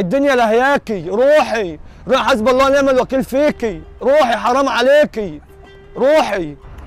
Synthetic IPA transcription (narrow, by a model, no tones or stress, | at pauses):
ɪd̪ːʊnjalahjaːkiɾuːħiɾħasbɑlˤːɑːnɪʕmalwækiːlfiːkiɾuːħiħɑɾˤɑmʕaleːki | ɾuːħi